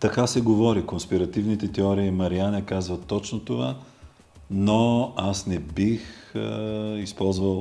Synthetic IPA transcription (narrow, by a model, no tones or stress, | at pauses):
t̪ɐkasɛɡovɔɾikonspiɾɐt̪ivnit̪ɛt̪ɛɔɾiːmɐɾianɛkazvɐt̪ːɔt͡ʃnot̪ova | noasnɛbix | ispɔlˠzvəlˠ